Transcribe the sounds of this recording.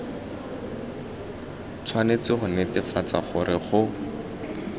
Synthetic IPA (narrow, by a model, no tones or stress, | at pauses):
t͡sʰwanet͡sɪχʊnɛtɪfat͡sa̰χʊɾɪχʊ